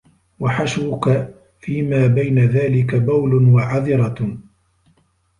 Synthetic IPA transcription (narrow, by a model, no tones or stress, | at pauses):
waħaʃwʊka | fiːmaːbajnaðaːlɪkabawlʊwaʕaðɪɾˤɑ